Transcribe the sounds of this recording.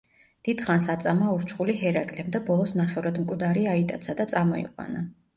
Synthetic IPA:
d̪̥id̪̥χansat̪sʼamauɾt͡ʃʰχuliɦɛɾaɡʼlɛmd̪abɔlˠɔsnaχɛvɾad̪mkʼwd̪aɾiait̪ʼa̰t̪sʰad̪at̪sʼamɔḭqʼwa̰na

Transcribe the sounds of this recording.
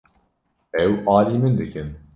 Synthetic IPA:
ɛwʔɑːliːmɨnd̪ɨkʰɨn

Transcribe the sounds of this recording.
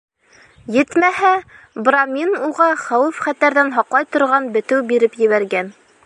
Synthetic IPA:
jɘt̪mæɦæ | bramʲinuʁɑχæwɘfχæt̪æɾðænɦɒqlˠɑjt̪ŏɾʁɑnbɘ̆t̪ɘwbiɾɘpjɘ̆βæɾɡæn

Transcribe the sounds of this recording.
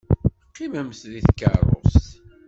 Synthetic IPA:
qːiməmθðiθkːə̰rˤo̰st

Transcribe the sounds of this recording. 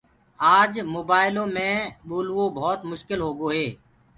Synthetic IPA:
aːd͡ʒmoːbaːɪlõːmẽːɓoːlʋõːbʱɔːt̪mʊʃkɪlɦoːɡoːɦeː

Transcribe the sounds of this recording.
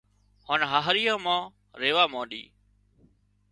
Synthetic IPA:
haːnɦaːɦɾijãːmãː | ɾeːʋaːmãːɗḭː

